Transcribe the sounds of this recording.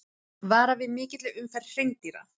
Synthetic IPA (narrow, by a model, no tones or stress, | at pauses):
vaːɾavɪðmɪːcɪt̪lɪʏmfɛr̥ejŋt̪iɾa̰